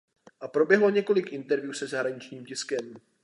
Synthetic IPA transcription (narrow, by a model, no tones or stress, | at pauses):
ʔapɾo̞bjɛɦlo̞ɲɛko̞lɪkʔɪnt̪ɛɾvjuːsɛzaɦɾaɲɪt͡ʃɲiːmcɪskɛm